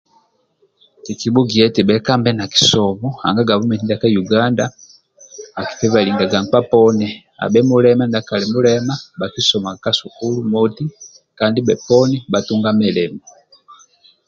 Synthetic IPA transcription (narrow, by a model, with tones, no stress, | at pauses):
ki˨ki˨bu˦ɡi˨ɛ˦tɛ˨bɛ˨˦ka˦mbɛ˦na˨ki̥˨sɔ˨mɔ˦ha̰˨ŋɡa˦ɡa˨βɔ˦mɛ˨ni˦nda˨ka˦ju˨ɡa˦nda˦ | a˨ki̥˨pɛ˦βa˨li˨ŋɡa˨ɡa˨ŋ˨k͡pa˦pɔ˦nɛ˨ | a̰˨bɛ˦mu˦lɛ˦ma˦nda˨ka˨lɛ˨mu˦lɛ˦ma˦ba˨ki˦sɔ˨ma˨a˨ka˦su˨ku˦lu˦mɔ˦ti˦ | ka˨ndi˦bɛ˨pɔ˦nɛ˦ba˨tu˦ŋɡa˦mɛ˨lɛ˨ma